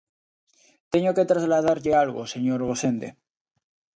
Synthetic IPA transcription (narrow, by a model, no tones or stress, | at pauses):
t̪eɲoket̪ɾazlaðaɾʎealɣoseɲoɾɣosend̪ḛ